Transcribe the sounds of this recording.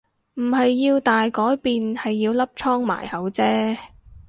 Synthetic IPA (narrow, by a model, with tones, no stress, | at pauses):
m̩˨˩hɐ˨jːiː˧wt̪aː˨jkɔː˨˥jpiː˨nhɐ˨jːiː˧wlɐ˥p̚t͡ʃʰɔː˥ŋma̰ː˨˩jhɐ˨˥wt͡sɛː˥